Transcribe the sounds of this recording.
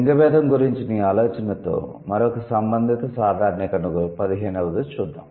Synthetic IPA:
ŋɡɐbɛːd̪ɐmɡuɾiɲt͡ʃiniːaːloːt͡ʃɐnɐt̪o̰ː | mɐɾokɐsɐmbɐnd̪ʱit̪ɐsaːd̪ʱaːɾɐnikɐnuɡupɐd̪iɦeːnɛʋɐd̪ut͡ʃuːd̪ːa̰ːm

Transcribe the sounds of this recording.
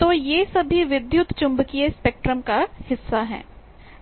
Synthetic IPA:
t̪oːjesɐbʱiʋɪd̪jʊt̪t͡ʃʊ̃mbkiespeːk̚ʈɾəmkahɪsːaɦɛ̰ː

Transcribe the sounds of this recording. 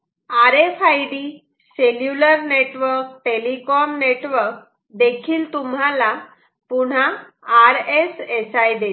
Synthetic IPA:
aɾefajɖi | seljuləɾneʈʋəɾk̚ʈelikɔmneʈʋəɾk | d̪ekʰiːlt̪umɦala | puɽ̤aː | ɾesesajd̪e

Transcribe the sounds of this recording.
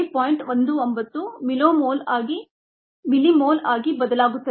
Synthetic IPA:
ipoːjiɳʈʋond̪uombɐt̪ːumiloːmoːlaːɡi | milimoːlaːɡibɐd̪ɐlaːɡut̪ːɐ

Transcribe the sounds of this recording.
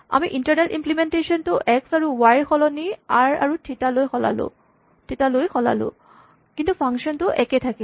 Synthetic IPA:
a̰miʔintaɹnɛltimplimentesɔntʊʔɛksaɹuwajɹxɔlɔniaɹa̰ɹutʰitalojxɔla̰lʊ̰ | tʰitalojxɔla̰lʊ̰̃ | kintupʰaŋkʃɔntʊʔɛkɛtʰaki

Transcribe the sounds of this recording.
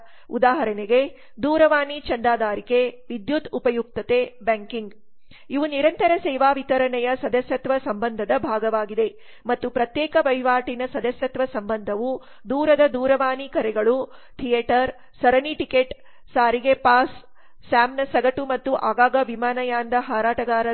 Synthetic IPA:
ud̪aːɦɐɾɐneɡe | d̪uːɾɐʋaːnit͡ʃɐnd̪aːd̪ʱaːɾikeʋid̪jut̪upɐjuk̚t̪ɐt̪ebaːŋkiŋɡ | iʋuniɾɐnt̪ɐɾɐsɛːʋaːʋit̪ɐɾɐɳɛjɐsɐd̪ɐsjɐt̪ʋɐsɐmbɐnd̪ʱɐd̪ɐbʱaːɡɐʋaːɡid̪e̞ | mɐt̪ːupɾɐt̪jɛːkɐʋɐjʋaːʈinɐsɐd̪ɐsjɐt̪ʋɐsɐmbɐnd̪ʱɐʋu | d̪uːɾɐd̪ɐd̪uːɾɐʋaːnikɐɾɛɡɐɭu | t̪ʰijeʈɐɾ | sɐɾɐniʈikeʈ | saːɾiɡepaːsː | aːmnɐsɐɡɐʈumɐt̪ːuʔaːɡaːɡɐʋimaːnɐjaːnd̪ɐɦaːɾaːʈɐɡaːɾɐ

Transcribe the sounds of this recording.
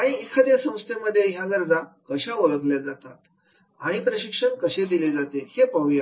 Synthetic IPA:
aɽ̃iekʰad̪esə̃w̃st̪eməd̪ʱːjeɦjaɡəɾd͡zakəɕaoɭəɡljad͡zat̪at̪ | aɽ̃ipɾəɕikʂəɳkəɕed̪iled͡zat̪ehepəʋja

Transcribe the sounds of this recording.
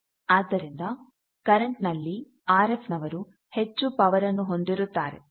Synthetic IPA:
aːd̪ːɐɾind̪ɐ | kɐɾɐɳʈnɐlːi | aːɾepʰnɐʋɐɾu | he̞t͡ʃːupɐʋɐɾɐnːuɦo̞nd̪iɾut̪ːaːɾḛ

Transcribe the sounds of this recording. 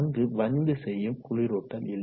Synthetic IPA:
nɡ̪ɯʋɐnd̪ɯsɛjːɯmkʊɻɪɾoːʈːɐlɪlː

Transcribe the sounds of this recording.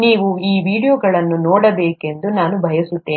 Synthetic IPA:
niːʋuiːʋiːɽijoːɡɐɭɐnːunoːɽɐbeːke̞nd̪unaːnubʱɐjɐsut̪ːeː

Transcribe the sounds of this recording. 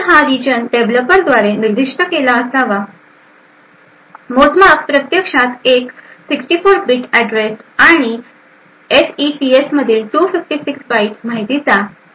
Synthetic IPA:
ɦaɾid͡ʑənʈebləpəɾd̪ʋaɾeniɾd̪ʱiʂʈəkelaəslaʋa | mod͡zmakpɾət̪jəkʂat̪eksiksʈifoɾbiʈæɖɾesaɽ̃i | esiʈiesməd̪ʱiːlʈufifʈisiksbaiʈmaɦit̪it͡sa

